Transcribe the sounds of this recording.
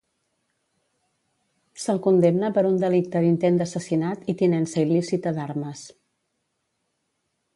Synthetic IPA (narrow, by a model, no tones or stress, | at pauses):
səlˠkund̪emnəpəɾund̪əlik̚t̪əðint̪end̪əsəsinat̪it̪inɛnsəilisit̪əd̪aɾməs